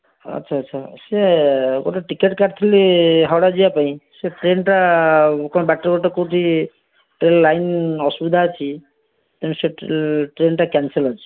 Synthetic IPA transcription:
ʌ̰tːʃʰaːtːʃʰaseɡoʈɔʈikeʈkaʈt̪ʰiliɦawɽad͡ʒijapaĩseʈɾenʈakɔ̃ɔbaʈːɾɔɡɔʈɔkoʈi | ʈɾellajnɔsubid̪ʱaːt͡ʃʰi | t̪ɛñseʈɾenʈakanselɔt͡ʃʰi̥

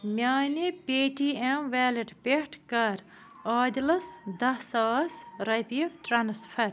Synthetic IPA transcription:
mʲjaːnepʲeːʈiːemʋɛːlɐʈpʲeʈʰkɐɾ | aːd̪ʲilɐsd̪ɐsɐːsɾɐpijʈɾanspʰɐɾ

